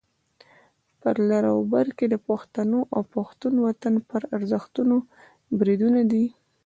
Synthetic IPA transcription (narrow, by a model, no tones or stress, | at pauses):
pəɾlaɾawbaɾked̪əpaxt̪anoʔawpaxt̪unwat̪anpəɾaɾzəxt̪uno | bɾid̪unad̪i